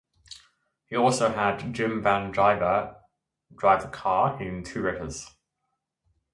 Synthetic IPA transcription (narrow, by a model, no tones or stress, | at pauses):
hiɔˑlˠsəʊədd͡ʒɪ̃mvãndaɪvə | d̥ɹaɪvəkʰɑːɹɪ̃ntʰʉːɹɪtəz̥